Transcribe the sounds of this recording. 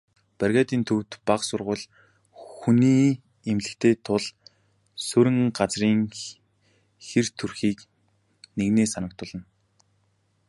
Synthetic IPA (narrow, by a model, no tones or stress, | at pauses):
pærɣʲaːt̪iːnt̪ʰɵwt̪paqsʊrʁʊːɮ | xuniː | emɮɘ̆kt̪ʰeːt̪ʰʊɮ | sɵɾɘ̆ŋɢat͡sriːŋ | xert̪ʰurxiːk | neɣneːsanə̆k̚t̪ʊɮə̆n